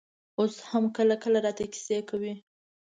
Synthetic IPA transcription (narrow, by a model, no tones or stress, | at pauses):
oshamkəlakəlaɾɑt̪aki̥sekawi